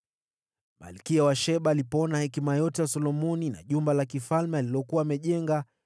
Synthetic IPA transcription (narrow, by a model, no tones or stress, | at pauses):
ma̰lkiawaʃɛɓaːlipɔnahɛkimajɔtɛjasɔlɔmɔnina̰ʄumbalakifalmɛalilɔkuaːmɛʄɛŋɡa